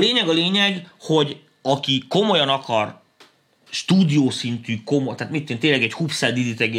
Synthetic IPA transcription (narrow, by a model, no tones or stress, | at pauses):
leːɲɛɡɒleːɲɛɡho̞ɟ | ɒkiko̞mo̞jɒnɒkɒr | ʃt̪uːd̪ijoːsint̪yːko̞mot̪aːt̪mit̪ːeːnt̪eːnlɛɡɛchupsɛːd̪id̪it̪ɛɡe